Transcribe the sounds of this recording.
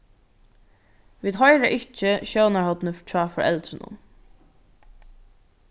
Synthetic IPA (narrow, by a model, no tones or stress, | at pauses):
ʋiːd̪ɦɔjɾaʔɪht͡ʃɪʃownaɹhɔt̪nəft͡ʃʰaːfɔɹʔɛ̰lt̪ɾɪnʊ̰n